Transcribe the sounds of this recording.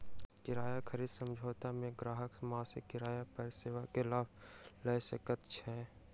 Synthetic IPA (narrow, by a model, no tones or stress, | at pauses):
kɪɾaːjakʰəɾiːd̪sə̃md͡ʒʱoːt̪amẽɡɾaːɦəkmaːsɪkːɪɾaːjapəɾseːʋakelaːb | ləjsekət̪t͡ʃʰɛː